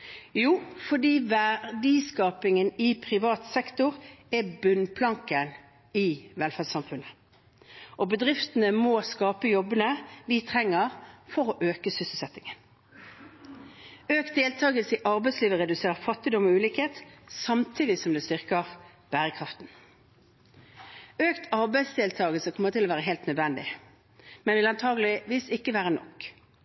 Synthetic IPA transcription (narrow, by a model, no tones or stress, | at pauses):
juːfɔɖ̪iːʋæd̪iskɑːpɪŋənɪpʰʁɪʋɑːt̪sɛkt̪ʊʁɛbʉnpʰlɑŋkən | ɪʋɛlfæd̪sɑmfʉnə | ʔɔbəd̪ʁɪft̪ənəmoskɑːpəjɔbənəʋɪt̪ʰʁɛŋːəʁfɔʁɔʔøːkəsʏsəl̩sɛt̪ːɪŋən | øːkt̪̚d̪eːlt̪ʰɑːɡəlsəɪʔɑʁbɛɪsliːʋəʁɛd̪ʉseːʁəfɑt̪ːɪd̪ɔmɔʉːliːkheːt̪sɑmt̪ʰiːd̪ɪsɔmd̪ɛːst̪ʏʁkəʁ | b̥æːʁəkʰʁɑft̪n | øːkt̪ʰɑʁbæɪsd̪eːlt̪ʰɑːɡəlsəkʰɔmːəʁt̪ʰɪlɔːʋæːʁəɦeɪlt̪nœd̪ʋɛnd̪ɪ̰ | mɛnʋɪlɑnt̪ʰɑːɡlɪʋiːsɪkːəʋæːʁənɔ̰kk